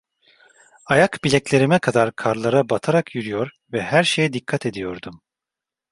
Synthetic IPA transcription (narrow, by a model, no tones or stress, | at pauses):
ajakbilʲɛcʲlʲe̞ɾimɛkʰad̪aɾkʰaɾlˠaɾabat̪ʰaɾakʰjyɾyjo̞ɾ | vɛhæɾʃe̞jɛd̪ikʰːat̪ʰe̞d̪ijo̞ɾd̪um